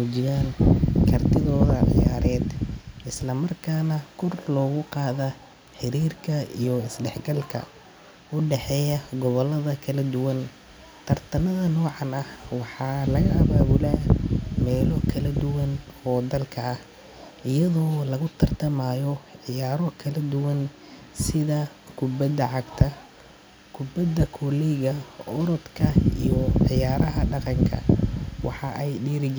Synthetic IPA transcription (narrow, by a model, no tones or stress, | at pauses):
mʊt͡ʃɪɣaːnkʰɐrt̪ʰɪðɔːðɐʕɪ̰jaːɾɛːd̪ɪslɐmɐrkʰaːnɐkʰɔrlɔːɣʊqɑːðɐ | ħɪɾiːrkʰɐijɔɪsɖɛħɡɐlkʰɐ̰ | ʊɖɛħɛːjɐɡɔβɔlɐðɐkʰɐlɐd̪ʊwɐn | t̪ʰɐrt̪ʰɐnɐðɐnɔːʕɑnɐhwɑħɑːlɐɣɐʔɐβaːβʊlaːmɛːlɔkʰɐlɐd̪ʊwɐnhɔːd̪ɐlkʰɐːh | ʔɪjɐðɔːlɐɣʊt̪ʰɐrt̪ʰɐmaːjɔʕɪjaːɾɔkʰɐlɐd̪ʊwɐn | sɪðɐ | kʰʊbɐd̪ɐʕɑɡt̪ʰɐ | kʰʊbɐd̪ɐkʰɔlɛjɣɐʔɔɾɔd̪kʰɐḭjɔʕɪjaːɾɐɦɐɖɑqɑŋkʰɐ̰wɑ̰ħɑʔɛjɖiːɾɪd͡ʒ